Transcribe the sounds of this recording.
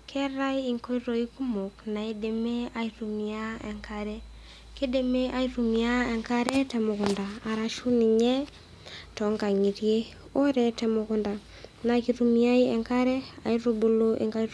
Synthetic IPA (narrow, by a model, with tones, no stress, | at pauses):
kʰe˦ɾa˦ji˨ŋko˦i˦ɾo˨i˦ku˦mo˨kna˨e˦de˨me˦a˨iɾu˨mi˨a˦e˨ŋka˨ɾe˦ | ke˦de˨me˦ʔa˦i˦ɾu˨mi˨a˦e˨ŋka˦ɾe˦te˨mo˨ku˨ndaː˨ɾa˨ʃu˦ni˨ɲe˦ | to˨˦ŋka˨ŋi˨ɾije˦ | o˦ɾe˨te˨mokunda˨ | na˨ki˨ɾu˨mia˦ie˨ŋka˦ɾe˦a̰˨iɾo˦bu˦lo˦ʔḛ˨ŋka˦